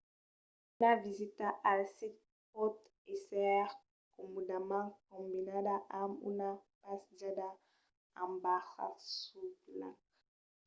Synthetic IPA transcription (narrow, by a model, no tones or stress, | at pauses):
navizit̪aʔalsit̪̚ | pɔt̪ | esɛʁ | kɔmɔdamãk̚ɔ̃mbinadaʔamṵnapasd͡ʒada | ãmbaʁa̰subla̰k